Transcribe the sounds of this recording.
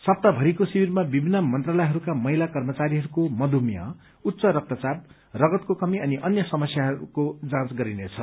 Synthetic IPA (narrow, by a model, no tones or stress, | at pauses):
sʌp̚t̪abʱʌɾikosibirmabibʱinːʌmʌnt̪ralʌjɦʌɾukamʌɦilakʌrmʌt͡saɾiɦʌɾukomʌd̪ʱumja̰ | ut̪ːsʌɾʌk̚t̪ʌt͡sab̚ | rʌɡʌt̪kokʌmiʌniʔʌnjʌsʌmʌsjaɦʌɾṵkod͡zãt͡sɡʌɾinet͡sʰʌ